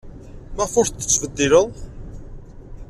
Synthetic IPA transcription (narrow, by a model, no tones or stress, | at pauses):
mæfʊɾθət͡sːvəd̪ːiləðˤ